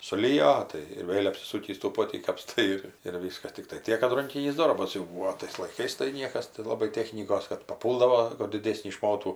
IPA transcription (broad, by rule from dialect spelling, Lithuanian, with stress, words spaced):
sʊˈlʲɪjoː tɐɪ ɪr ˈʋʲeːlʲ ɐpʲsʲɪˈsuːkʲiːs tuː ˈpoːtʲiː kɐpˈstɐɪ ɪr ɪr ˈʋʲiːskɐs ˈtʲɪktɐɪ ˈtʲiɛk kɐt ˈrɐŋʲkʲɪnʲiːs ˈdoːrbɐs jɛʊ ˈbuːoː ˈtɐɪs lˠɐɪˈkɐɪs tɐɪ ˈnʲiɛkɐs tɐɪ lˠɐˈbɐɪ ˈtʲæːxʲnʲiːkoːs kɐt pɐˈpuːlˠdɐʋoː kʊr dʲɪˈdʲeːsʲnʲiː ˈʃmoːtuː